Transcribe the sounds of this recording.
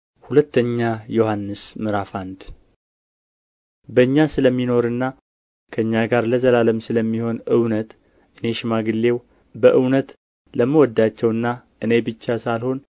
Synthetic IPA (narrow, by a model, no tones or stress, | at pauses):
hulət̪ːəɲːajo̞hanːɨsmɨɾafand̪ | bəɨɲːasɨləmːino̞ɾɨnːa | kʰəɨɲːaɡaɾləzəlaləmsɨləmːiho̞nɨwnət̪ | ʔɨne̞ʃɪmaɡɨlːe̞w | bəʔɨwnət̪ | ləmːəwɔd̪ːat͡ʃːɛwɨnːa | ʔɨne̞bɨt͡ʃːasalho̞n